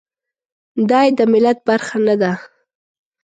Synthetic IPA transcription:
d̪ɑjd̪əmɪlat̪̚baɾxanad̪a

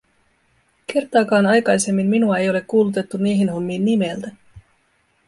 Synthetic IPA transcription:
ke̞rt̪ɑːkɑːnɑjkɑjse̞mːimminuɑe̞jo̞le̞kːuːlut̪e̞t̪ːunieɦinɦo̞mːiːnːime̞lt̪æ

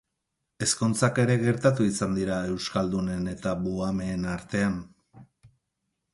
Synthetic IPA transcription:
e̞skont͡sake̞ɾe̞ɣe̞ɾt̪at̪uisand̪iɾae̞wskald̪une̞ne̞t̪aβuame̞ːnaɾt̪e̞an

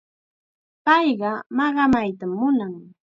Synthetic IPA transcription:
pɑjɢɑmɑɢɑmajt̪amːʊnaŋ

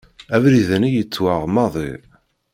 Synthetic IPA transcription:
ævɾiðænijət͡sːwaʁmɑðˤḭ

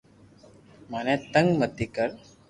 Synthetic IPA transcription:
manɛt̪əŋɡmət̪ːikəɾ

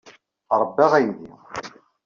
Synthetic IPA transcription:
ɾˤəbːæʁæjði

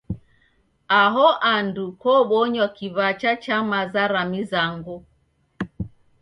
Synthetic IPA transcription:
aɦɔʔandukɔɓɔɲwakiβat͡ʃat͡ʃamazaɾamizaŋɡu

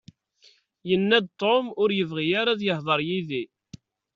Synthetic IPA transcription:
jənːæd̪̚t̪ˤːomʊɾjəvʁijaɾaðjəhðˤəɾˤjiði

